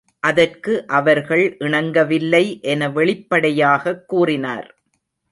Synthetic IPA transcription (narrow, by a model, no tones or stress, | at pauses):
ʔɐðɐrkɯʔɐʋɐɾɣɐɭʔɪɳɐŋɡɐʋɪlːɐɪʔɛnɐʋɛɭɪpːɐɽɐjaːɣɐkːuːrɪna̰ːɾ